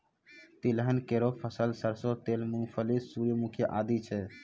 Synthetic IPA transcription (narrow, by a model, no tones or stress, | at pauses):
t̪iləɦənkeɾopʰəsəlsəɾsot̪elmunpʰəlissuɾjəmukʰjəʔaːd̪it͡ʃʰɛ